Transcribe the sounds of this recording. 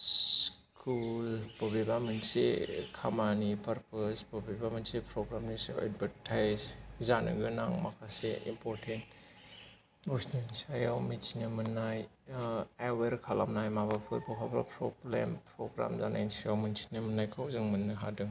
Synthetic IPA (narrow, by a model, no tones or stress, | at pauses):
skʰulpobebaminsḛkʰamanipʰɐɾpʰɐspobebamensepɾoɡɾamnisḛwḛd̚bʱɐɾtʰajzzanɯ̰ɡɯnaŋmakʰasḛḭmpʰoɾtʰent | usnansajawmit͡ʃinɐmɯnːaj | aweɾkʰala̰mnajmabapʰɯɾbokʰabɾa̰pɾoblḛmpɾoɡɾa̰mza̰na̰insajawminsi̥nɐmunːajkʰawzɯŋmɯnːɯɦa̰dɯŋ